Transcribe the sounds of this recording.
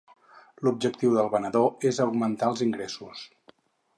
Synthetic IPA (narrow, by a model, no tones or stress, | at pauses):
lub̚d͡ʒək̚t̪iwðəlˠβənəðoezəwɡmənt̪aəlˠziŋɡɾesus